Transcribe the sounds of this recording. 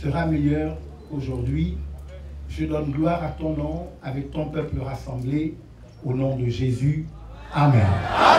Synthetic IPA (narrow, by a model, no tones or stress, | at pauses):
səʁamɛjœʁ | oʒuʁd̪ɥi | ʒəd̪ɔnɡlwaʁat̪ɔ̃nɔ̃avɛk̚t̪ɔ̃pœpləʁasɑ̃ble | onɔ̃d̪əʒezy | amɛ̃n